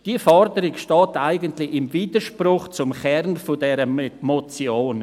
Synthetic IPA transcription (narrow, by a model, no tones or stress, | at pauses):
d̥iːəfɔɾdəɾɪɡʃtɑːtaɪɡəntlɪɪmviːdəɾʃprʊχt͡sʊmχɛrnfʊdɛɾəmmɔt͡sjoːn